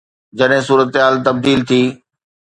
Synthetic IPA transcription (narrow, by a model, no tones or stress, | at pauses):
d͡ʑɐɗɦɪ̃suːɾət̪ɦaːlt̪ɐb̚d̪iːlt̪ʰiː